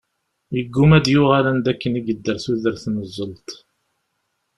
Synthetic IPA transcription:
jəɡːumæd̪jʊʁalænd̪ækːəniɡəd̪ːəɾθuðəɾθnəzˤːəlt̪

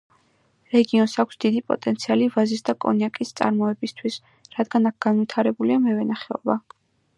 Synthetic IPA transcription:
ɾɛɡiɔnsakʷʰsd̪̥id̪ipʼɔ̰t̪ʼɛnt̪sʰialivazisd̪akʼɔ̰njakʼist̪sʼa̰ɾmɔɛbist̪ʰwis | ɾad̪ɡanak̚ʰɡ̥anvit̪ʰaɾɛbuliamɛvɛnaχɛɔ̰ba

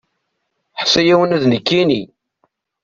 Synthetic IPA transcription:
ħsæjæwənæðnəkːini

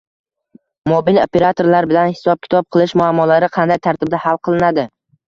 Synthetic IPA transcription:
mobilope̞ɾat̪ʰo̞ɾlaɾbɪlanhɪ̥sɒb̚kʲʰɪ̥t̪ʰɒp̚qʰɨlˠɪʃmʊamːɒlaɾɪqʰɑnd̪ajt̪ʰaɾt̪ɪb̚d̪ahalˠqʰɨlˠɪnad̪ɪ

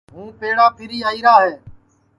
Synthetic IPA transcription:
ɦũːpeːɽaːpʰɪɾiːaːiːɾaːɦeː

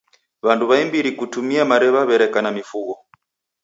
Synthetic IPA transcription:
βantuβaimbiɾikutumiamaɾɛβaβɛɾɛkanamifuɣɔ

